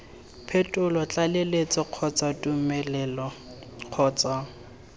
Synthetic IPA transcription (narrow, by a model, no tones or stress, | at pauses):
pʰetʼʊlɔt͡ɬʼalelet͡sɔq͡χʰɔt͡sʼatʼumɛlɛlɔ | q͡χʰɔːt͡sʼa